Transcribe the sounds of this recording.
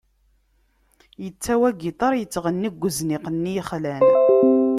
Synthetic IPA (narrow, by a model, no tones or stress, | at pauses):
jət͡sːæwæɡit̪ˤɑɾˤjət͡sːʁənːiɡʷːəznɪqənːiχlæn